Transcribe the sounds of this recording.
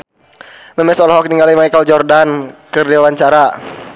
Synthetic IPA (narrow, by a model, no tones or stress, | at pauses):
məmɛsɔlɦɔk̚niŋɡalimajkəld͡ʒɔrdankɨrdiwawaɲt͡ʃaɾa